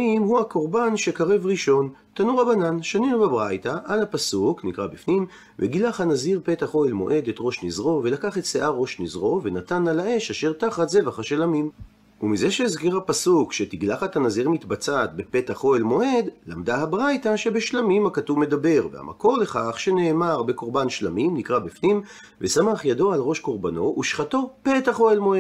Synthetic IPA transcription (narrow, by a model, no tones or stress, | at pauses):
imhuako̞ʁbanʃe̞kaʁevʁiʃo̞n | t̪anuʁabananʃaninubebʁajtaʔalhapasuknikʁabifnim | veɡilaχhanaziʁpe̞taχo̞elmo̞̰ʔe̞de̞tʁo̞ʃnizʁo̞ve̞lakaχet̪seʔaʁo̞ʃnizʁo̞ve̞natanalaʔe̞ʃaʃe̞ʁtaχatze̞vaχhaʃelamim | umizeʃeizkiʁapasukʃetiɡlaχethanaziʁmitbat͡sat̪be̞petaχo̞elmo̞ʔe̞dlamdahabʁajtaʃe̞be̞ʃlamimhakatuvme̞dabe̞ʁveha̰mʔa̰ko̞ʁle̞χaχʃe̞ne̞ːmaʁbe̞ko̞ʁbanʃlamimnikʁabifnim | vesamaχjado̞alʁo̞ʃko̞ʁbano̞ʔuʃχato̞pe̞taχo̞elmo̞ed